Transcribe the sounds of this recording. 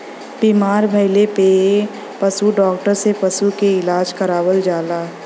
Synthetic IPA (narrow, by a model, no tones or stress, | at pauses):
biːmaːɾbʱɐɪlepe | pɐsuɖɔːkʈəɾsepɐsukeɪlaːd͡ʒkɐɾaːwəld͡ʒaːlaː